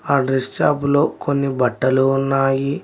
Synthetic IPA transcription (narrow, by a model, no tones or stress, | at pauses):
aːɖɾest͡ʃaːpulo̞ːkʰonːibɐʈːɐluːnːaːji